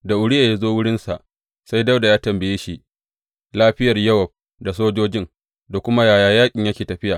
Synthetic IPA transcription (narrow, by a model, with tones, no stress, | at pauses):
da˨ʔʊ˨ɽɪ˦jaː˨ja˦zoː˦wʊ˦ɽɪ˦nsa˨ʔ | sa˦jdɐ˦wda˨jaː˦tɐ˨mbɐ˨jeː˦ʃi˦˨ʔ | laː˦ɸɪ˦jɐ˨rjɐ˦wɐ˨b̚ | da˨soː˦d͡ʒoː˦d͡ʒɪ˦ŋ | da˨kʷʊ˦ma˦jaː˨jaː˨jaː˦kʲʼɪ˨ɲjɐ˦kʲeː˨tɐ˨ɸɪ˦jaː˨